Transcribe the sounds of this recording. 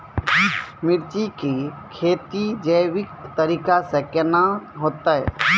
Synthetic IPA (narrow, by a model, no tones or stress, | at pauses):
mɪɾt͡ʃikikʰeːt̪id͡ʒəjʋɪk̚t̪əɾiːkasekenaɦoːt̪aɛ̰